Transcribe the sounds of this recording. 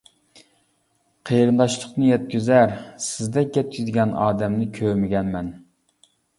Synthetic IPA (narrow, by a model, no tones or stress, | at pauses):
qʰeɾɨnd̪ɑʃlˠəqnɨjɛt̪̚kʲyzæɾsɪzd̪ɛk̚ʲɡʲɛt̪̚kʲʰyzd̪ɪɡʲɛnɑ̰ːd̪ɛmnɪkʲʰømɪɡʲɛnmɛn